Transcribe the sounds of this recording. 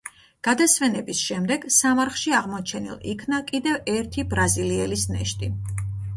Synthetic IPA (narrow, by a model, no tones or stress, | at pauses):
ɡ̥ad̪asvɛnɛbisʃɛmd̪ɛɡsamaɾχʃiaʁmɔt͡ʃʰɛnḭlˠḭkʰnakʼid̪ɛvɛɾt̪ʰibɾaziliɛlisnɛ̰ʃt̪ʼi